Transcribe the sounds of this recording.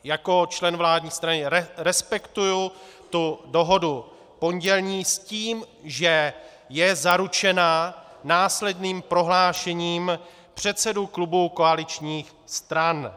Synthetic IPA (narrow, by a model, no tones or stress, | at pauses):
jako̞t͡ʃlɛnvlaːdɲiːst̪ɾanɪɾɛspɛkt̪uju | t̪udo̞ɦo̞du | po̞ɲɟɛlɲiːsciːm | ʒɛ | jɛzaɾut͡ʃɛnanaːslɛdniːmpɾo̞ɦlaːʃɛɲiːm | pr̝̥ɛt̪sɛduklubuko̞alɪt͡ʃɲiːx | st̪ɾan